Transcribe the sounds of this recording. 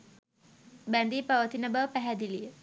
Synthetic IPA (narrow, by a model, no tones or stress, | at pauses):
band̪ipawət̪inabapaɦad̪ili